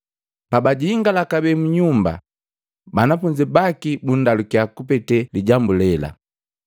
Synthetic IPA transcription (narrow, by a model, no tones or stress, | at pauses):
pabaɟiːŋɡalakabɛmuɲumba̰ | banafuɲd͡ʒibakibun̩dalukiakupɛtɛliɟambulɛla̰